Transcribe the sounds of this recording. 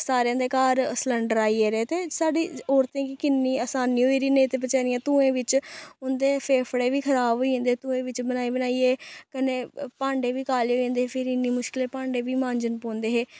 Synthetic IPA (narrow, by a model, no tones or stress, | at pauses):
saːɾejãːd̪eːkaːɾəsləɳɖəɾaːiːeːɾeːt̪eːsaːɖiːɔːɾt̪ẽːkɪkɪnːiːəːsaːniːɦoːiːɾiːneːt̪eːp̬ət͡ʃaːɾɪjãːt̪ũːẽːʋɪt͡ʃʊnd̪eːpʰeːpʰɽeːʋiːkʰəɾaːbɦoːĩːnd̪eːt̪ũːẽːʋɪt͡ʃbənaːiːbənaːiːeːkəneːpãːɳɖeːʋiːkaːleːɦoːẽːnd̪eːeːpʰɪɾɪnːiːmʊʃkɪleːpãːɳɖeːʋiːmãːɲd͡ʒənpõːnd̪eːɦeː